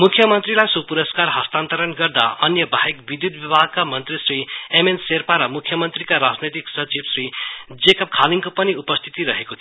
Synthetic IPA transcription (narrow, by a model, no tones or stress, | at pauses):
mukʰjʌmʌnt̪rilajsupuɾʌskarɦʌst̪ant̪ʌɾʌnɡʌrd̪a̰ʌnjʌbʱaɦekbid̪jud̪bjʌbʱaɡ̚kamʌnt̪risriemenserpaɾʌmukʰjʌmʌnt̪rikaɾad͡znʌt̪iksʌt͡ʃibsrid͡zekʌp̚kʰaliŋkopʌniupʌst̪ʰi̥t̪iɾʌɦekot̪ʰi